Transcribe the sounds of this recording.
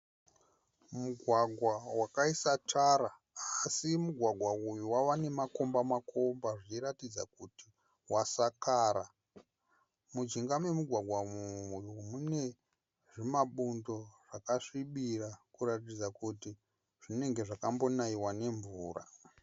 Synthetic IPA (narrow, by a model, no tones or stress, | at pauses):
muɡʱwaɡʱwawakaisatʰaɾa | asimuɡʱwaɡʱwaujuwawane̞mako̞mbamakʰo̞mbaʐiiɾatid͡zakuti | wasakaːɾa | mud͡ʒiŋɡame̞muɡʱwaɡʱwamuujumune̞ | ʐimaɓundo̞ʐ̥akaʂiɓirakuɾatid͡zakuti | ʐ̥ine̞ŋɡe̞ʐakambo̞naiwane̞ɱvuːra̰